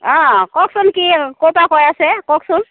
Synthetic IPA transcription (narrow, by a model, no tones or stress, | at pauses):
ɔ̃kɔksunkikopakɔjasekɔksun